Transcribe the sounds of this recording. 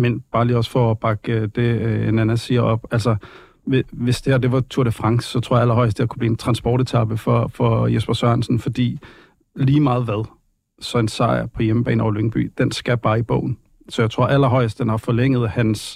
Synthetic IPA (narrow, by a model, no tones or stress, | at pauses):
menb̥ɑ̈ːliːɒ̽sfɒ̽ɒb̥ɑ̈ɡ̥əd̥e̝enænæsiːɐʔɒ̽b̥ælsɐ | ʋeʋe̝sd̥e̝hæɐd̥e̝ʋɑ̈t͡sʰuɐɾəfʁɑ̈ŋsːɒ̽t͡sʰo̝ɐ̰jɑælɐɦɒ̽ɪsd̥eɐkʰub̥liːent͡sʰʁɑ̈nsb̥ɒ̰ːɾ̥et͡sʰɑ̈b̥əfɒfɒ̽jesb̥ɐsœɐnsn̩fɒ̽d̥ḭː | liːmɑ̈ːð̞̩ˠʋæðˠ | sɒ̽e̝nsɑ̈ɪɐpʰɒ̽jeməb̥ɛ̰ːnɒʊløŋb̥y̰ːd̥ensɡ̥æb̥ɑ̈ːib̥ɔ̰̽ʊ̰n̩ | sɒ̽jaɪt͡sʰo̝ɐ̰ʔælɐɦɒ̽ɪəsd̥d̥enhɑ̈fɒ̽leŋ̰ð̩ˠhæns